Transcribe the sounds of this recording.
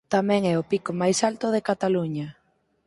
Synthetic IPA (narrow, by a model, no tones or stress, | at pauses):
t̪amɛ̃ŋɛʊpikʊmajsalt̪ʊðekat̪aluɲɐ